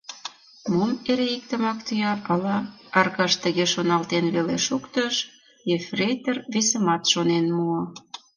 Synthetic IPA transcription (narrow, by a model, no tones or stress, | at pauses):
momeɾeik̚t̪ə̆mɑkt̪yjɑpɑlɑɑrɣɑʃt̪ə̆ɣeʃonɑlt̪enβeleʃukt̪əʃ | jefrʲejt̪erβesə̆mɑt̪ʃonenmuɤ̆